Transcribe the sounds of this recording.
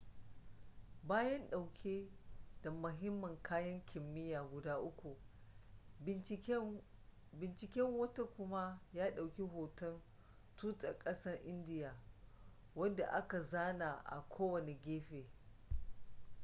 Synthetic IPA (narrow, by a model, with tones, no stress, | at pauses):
baː˦jɐ˦nɗa˨ke˦d̥a˨mʊ˨ɦɪ˦mːɐ˨ŋkʰaː˦jɐ˦ŋkʲʰɪ˨mːɪ˦jaː˨ɡʷʊ˨daː˦ʔʊ˦kʷu˨ʔ | bɪ˨nt͡ʃɪ˨kʲɛ˦ŋwɐ˦ta˦kʷʊ˦ma˦jaː˦ɗa˨wkʲi˦ɦoː˨tɐ˦n | tuː˦tʼɐ˨kʼɐ˦sɐ˦rʔɪ˦ndɪ˦jaː˨ | wɐ˦nda˨ʔa˦ka˨zaː˦naː˨ʔa̰˨kʷʰoː˦wɐ˨ne˨ɡʲeː˦ɸeː˨